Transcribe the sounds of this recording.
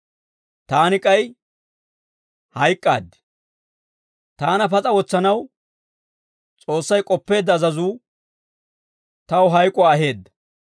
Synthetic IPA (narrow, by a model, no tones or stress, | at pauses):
t̪aːnɪkʼɐj | hɐjkʼːa̰ːd̪ːɛ̥ | t̪aːnɐfɐt͡sʼɐwɔt͡sːɐnɐw | t͡sʼo̞ːsːɐjkʼɔpːe̞ːd̪ːɐːzɐzuː | t̪ɐwʊɦɐjkʼːʊwaːɐɦe̞ːd̪ːɐ̥